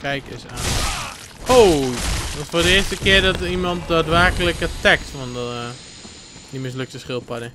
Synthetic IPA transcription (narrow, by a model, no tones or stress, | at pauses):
kɛjkɪsa̰ːn | owʋɔtfʊːdəɪːstəkɪərdɔtimɔnt̚daːtʋɛrkələkətɛktʋɔn | dimɪs̬løk̚təsχɪlˠpɔdə